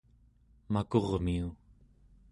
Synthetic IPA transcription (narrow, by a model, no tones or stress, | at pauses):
makoʁmiu